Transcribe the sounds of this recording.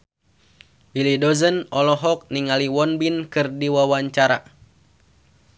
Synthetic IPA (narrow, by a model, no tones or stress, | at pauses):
bilidɔzənɔlɔɦɔk̚niŋaliwɔnbinkɨrdiwawaɲt͡ʃaɾa̰